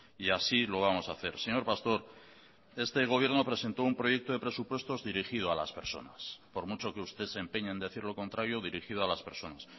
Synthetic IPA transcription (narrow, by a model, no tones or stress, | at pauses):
iasilo̞β̞amo̞saθe̞ɾse̞ɲo̞ɾpast̪o̞ɾ | e̞st̪e̞ɣ̞o̞βje̞ɾno̞pɾe̞se̞nt̪o̞umpɾo̞je̞k̚t̪o̞ð̞e̞pɾe̞supwe̞st̪o̞zðiɾixið̞oalaspe̞ɾso̞̰naspo̞ɾmut͡ʃo̞keust̪e̞sempe̞ɲend̪e̞θiɾlo̞ko̞nt̪ɾaɾjo̞ð̞iɾixið̞oalaspeɾso̞nas